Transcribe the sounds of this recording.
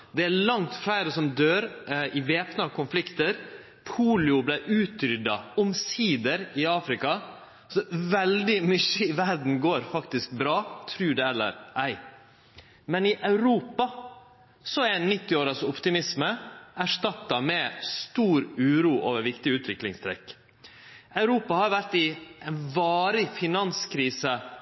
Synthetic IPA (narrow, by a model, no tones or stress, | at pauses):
d̪ɛælɑŋt̪flæɪɾəsɔmd̪øːɾɪʋeːpnɑkʰʊnflɪkt̪əɾ | pʰuːlɪʊblæɪʔʉːt̪ɾʏd̪ɑɔmsiːd̪əɾɪɑːfɾɪkɑ | sɔʋɛld̪ɪmʏçːəɪʋæɾɖn̩ɡoːɾfɑkt̪ɪsk̚bɾɑːt̪ʰɾʉːɖɛɛlːə̰ɾʔæɪ | mɛnɪʔɑʉɾuːpɑ | sɔænːɪt̪ːɪoːɾɑsɔpt̪ɪmɪsməæʂt̪ɑt̪ːɑmɛst̪uːɾʉːɾuːʔoːʋəɾʋɪkt̪ɪʉːt̪ʋɪklɪŋst̪ʰɾɛ̰kː | ɑʉɾuːpɑhɑɾʋæɾʈ̪ɪʔɛnʋɑːɾɪfɪnɑnskʰɾiːsə